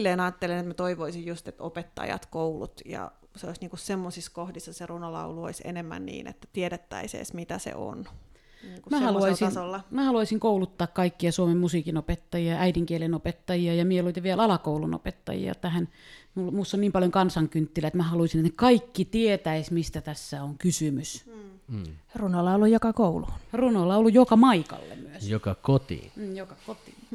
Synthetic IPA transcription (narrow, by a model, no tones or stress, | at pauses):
lːeːnɑːt̪ːelenet̪mæt̪oiʋoisijjust̪et̪opet̪ːɑ̰jɑ̰t̪koulṵt̪jɑ̰ | seoisniːŋkussemːosiskohdisːɑserunolɑ̰uluo̰isḛnemːæ̰nnḭːnḛt̪ːæ̥t̪ieɾet̪ːæ̰isḛːsmit̪æsḛʔo̰n | niːŋkumæhhɑluɑisisolːɑmæhɑluɑisiŋkoulut̪ːɑːkkɑikːiɑsuomemmusiːkinopet̪ːɑjiɑʔæidiŋkielenopet̪ːɑjiɑjɑmieloit̪eʋielɑlɑkouluno̰pet̪ːɑ̰jḭɑ̰t̪æhænmulmusːonniːmpɑljoŋkɑnsɑŋkynt̪ːilæet̪mæhɑluisinet̪nekɑikːit̪iet̪æismist̪æt̪æsːæoŋkysymys | runolːɑolːujjokɑkouluːnrunolːɑolːujjokɑmɑikɑ̰lːḛmmyøsjokɑkot̪ḭːnːjokɑkot̪iːn